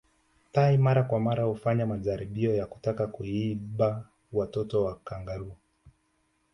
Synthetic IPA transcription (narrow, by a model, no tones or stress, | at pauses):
taimaɾakwamaɾahufaɲamaʄaɾiɓiɔjaku̥takakuiɓa | watɔtɔwakaŋɡaɾua